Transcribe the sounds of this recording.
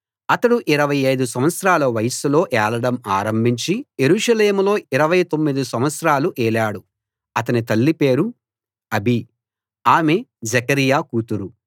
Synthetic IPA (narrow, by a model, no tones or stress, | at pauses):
ɐt̪ɐɽuʔiɾɐʋɐjɐjd̪us̬ɐmʋɐt̪sɐɾaːlɐʋɐjɐsulo̞ːʔɛːlɐɽɐmaːɾɐmbʱiɲt͡ʃije̞ɾuːʂɐleːmulo̞ːiɾɐʋɐjt̪o̞mːid̪isɐmʋɐt̪sɐɾaːluʔɛːlaːɽu | ɐt̪ɐnit̪ɐlːipe̞ːɾu | ɐbʱi | aːmed͡ʒɛkɐɾijaːkuːt̪uɾu